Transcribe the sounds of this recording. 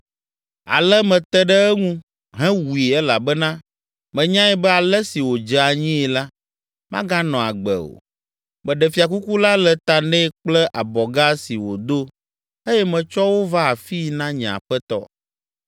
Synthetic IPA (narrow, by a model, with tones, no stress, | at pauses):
a̰˨lɛ˦mɛ̃˨t̪ɛ˦ɖɛ˦ɛ˦ŋũ˦ | ɦɛ̃˦wu˨i˨ɛ˦la˨bɛ˦nã˦ | mɛ̃˨ɲã˦ɛ˨bɛ˦a˨lɛ˦si˨wo˨d͡ʒɛ˨a˨ɲĩ˦ɛ˨la˦ | mã˦ɡa˦nɔ̃˨a˨ɡ͡bɛ̰˨o̰˨ | mɛ̃˨ɖɛ˨fi˨a˨ku˦ku˦la˦lɛ˨t̪a˨nɛ̃˦k͡plɛ˦ʔa˨bɔ˨ɡa˦si˨wo˨d̪o˦ | e˦jɛ˦mɛ̃˨t͡ʃɔ˦wo˦va˦a˨fi˦nã˦ɲɛ̃˨a̰˨ɸɛ˦t̪ɔ̰˦